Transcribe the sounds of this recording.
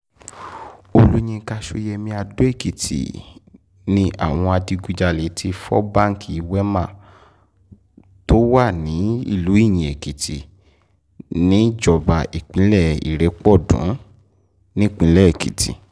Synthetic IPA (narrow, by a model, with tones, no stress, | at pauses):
o˧lu˦ɲ̃ĩ˧ka˧ʃo˧jɛ˧mĩ˧a˧do˦e˦˨ki˨tʰḭ˨ | nĩ˧ʔa̰˦˨w̃ɔ̃˧a˧di˧ɡu˧d͡ʒa˧le˨˦tʰi˧fɔ̰˦ba˦˨ŋ̩˦˨ki˨i˨˦wɛ˦mã˦˨ | to˦wa˦˨nĩ˨˦ḭ˦˨lu˨˦i˦˨j̃ĩ˨e˨ki˨tʰi˨ | nĩ˨˦d͡ʒɔ˨ba˨e˨k͡pĩ˨˦lɛ˦˨ḭ˨ɾe˨˦k͡pɔ˦˨dṵ̃˨˦ | nĩ˦˨k͡pĩ˨˦lɛ˦˨e˨kḭ˨tḭ˨